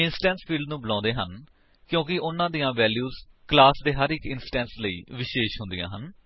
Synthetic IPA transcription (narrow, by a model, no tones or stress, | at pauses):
ɪnsʈɛ̃ːnspʰiːlɖnũːbəlãːnd̪eːɦən | kjõːkɪʔʊnãːd̪ijãːʋɛːljuːzklaːsd̪eːɦəɾɪkɪnsʈɛ̃ːnsləḭːʋɪʃeːʃɦʊ̃nd̪ijã̰ːɦən